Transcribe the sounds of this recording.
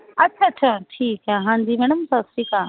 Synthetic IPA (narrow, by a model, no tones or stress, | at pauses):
ɐtːʃʰaːɐtɕʰaʈʰiːkaɦãːɲd͡ʑiːmɛːɽ̃əmsaːb̚ʈʰiːkaː